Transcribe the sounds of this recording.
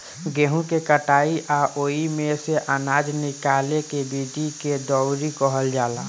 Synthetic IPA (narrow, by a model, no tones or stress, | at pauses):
ɡeːɦũkekəʈaːiʔaʔoːimeseʔanaːd͡ʒnɪkalekebiːʈiked̪ɔʊɾikəɦəld͡ʒaːla